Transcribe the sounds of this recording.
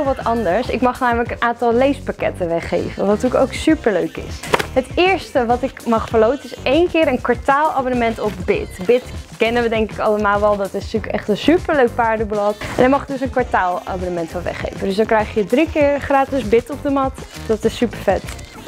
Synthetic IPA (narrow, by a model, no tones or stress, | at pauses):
lˠʋɑtɑndəɹsɪ̰kmɑχamələkənʔaːntɑlˠlejspakɛ̰təʋɛχḛjvə̰ʋɑttyːko̰wksypəɹløɥkɪ̰sɦətɪːɹstəʋɑtɪkmɑχfəɹlowtənɪsejnkɪːɾənkʋaɹtaːlˠa̰ːbonəmɛntɔfbɪ̰tbɪtkɛnəʋədɛŋkɪkɑləmaːlˠʋɛlˠdɑtɪstykɛχtənsypəɹløɥk̚paːɹdəblɑtɛnəmɑχdɵsənkʋaɹtaːlˠa̰ːbonəmɛntfɔnˠʋɛ̰χḛjfəndøsdɑnkrɛjχəədrikɪːɹχraːtɪsbɪtɔb̚dəmɑtdɑtɪsːypəɹfɛt